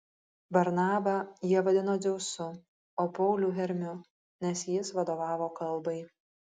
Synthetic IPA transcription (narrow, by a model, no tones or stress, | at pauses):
bɐɾnɑːbɐjiɛʋɐd̪ʲɪnoːzʲɛʊsʊ | oːpɔʊlʲuːɦʲɛɾʲmʲʊ | nʲɛsjɪsʋɐd̪oːʋɑːʋoːkɐlˠˑbɐɪ